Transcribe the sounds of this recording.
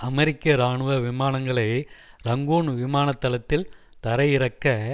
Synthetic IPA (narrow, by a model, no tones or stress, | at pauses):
ɐmɛɾɪkːɐɾaːɳɯʋɐʋɪmaːnɐŋɡɐɭɐɪ | ɾɐŋɡuːɳʋɪmaːnɐt̪ːɐlɐt̪ːɪl | t̪ɐɾɐjɪɾɐkːɐ